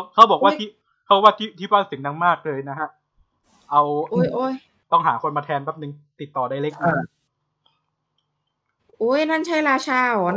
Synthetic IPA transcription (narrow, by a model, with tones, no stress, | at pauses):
wkʰa˦˥wbɔː˨˩k̚waː˥˩t̪ʰiː˥˩ | kʰa˦˥bɔ˨˩wa˥˩t̪ʰiː˦˥˩t̪ʰiː˦˥˩paː˥˩sɯ˩˦ŋna˧ŋmaː˥˩k̚lɤː˧jna˦˥ɦʰa˦˥ʔ | ʔa˧wʔo˧˥˩jʔoː˧˩j | t̪ɔ˥˩ŋɦaː˩˦kʰo˧nmaː˧t̪ʰɛː˧nbɛː˦˥˩p̚nɯ˨˧ŋt̪i˨˩t̪ːɔː˨˩da˥˩jle˦˥k̚maː˥˩k̚ | ʔuː˧˩jna˥˩nt͡ɕʰa˥˩jɾaː˧t͡ɕʰaː˧˩˨n